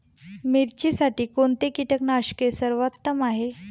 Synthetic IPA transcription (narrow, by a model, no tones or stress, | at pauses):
miɾt͡ɕisaʈiːkoɳt̪ekiʈəknaɕkesəɾʋat̪ːəmaɦe